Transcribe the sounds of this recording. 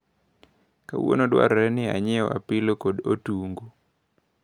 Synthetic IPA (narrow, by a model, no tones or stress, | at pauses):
ka̰w̰o̰nodwa̰ɾɛnɪa̰ɲɪɔʔa̰pɪlokodotuŋɡo